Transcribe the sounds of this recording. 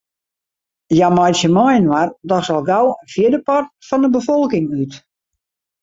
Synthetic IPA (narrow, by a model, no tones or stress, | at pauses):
jamɔjsəmɔjənwardɔsɔlˠɡawəfjədəpɔrt̚fɔndəbəfɔlˠkɪŋyt